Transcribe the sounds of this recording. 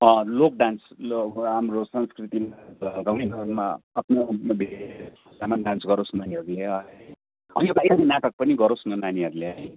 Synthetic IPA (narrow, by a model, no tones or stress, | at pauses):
ʌ̃lok̚ɖansloamɾosʌnskrit̪imaɡaw̃ninʌnma̰apnobʱesusamaɖansɡʌɾosnaniɦʌɾuleʌ | ʌ̰nʌbajaninaʈʌk̚pʌniɡʌɾosnʌnaniɦʌɾuleʌi